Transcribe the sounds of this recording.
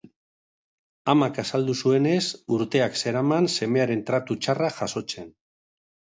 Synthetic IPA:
amakasald̪usue̞ne̞suɾt̪e̞akse̞ɾamanse̞me̞aɾe̞nt̪ɾat̪ut͡ʃaraʝaso̞t͡se̞n

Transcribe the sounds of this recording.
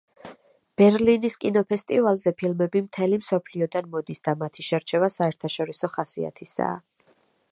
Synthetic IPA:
b̥ɛɾliniskʼinɔpʰɛst̪ʼivalˠzɛpʰilmɛbimt̪ʰɛlimsɔpʰliɔd̪anmɔd̪isd̪amat̪ʰiʃɛɾt͡ʃʰɛvasaɛɾt̪ʰaʃɔɾisɔχasia̰t̪ʰisa̰ː

